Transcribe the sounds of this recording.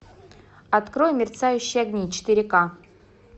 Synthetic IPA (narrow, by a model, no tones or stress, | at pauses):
ɐt̪kɾojmʲɪrt̪sajʉɕːɪjɐɡnʲit͡ɕɪ̥t̪ɨɾʲɪka